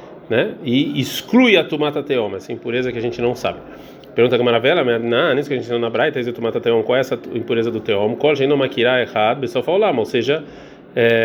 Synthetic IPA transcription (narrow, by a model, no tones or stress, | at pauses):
nɛɪisklujɐt̪umat̪ɐt̪eõmɛsɐĩpuɾezɐkɪaʒẽnt͡ʃɪnɐ̃w̃sa̰bɪ | peɾɡũt̪ɐkɐmaɾavɛlɐmẽnãnĩsʊkɪɐʒẽt͡ʃsẽnonabɾajɐt̪ezɪt̪umat̪ɐt̪eõmɐkwawɛsɐĩpuɾezɐd̪ʊt̪eõmʊkwawʒẽd̪ɐ̃makiɾaeɣad̪ʊpeswawfalolamoseʒɐ | ɛ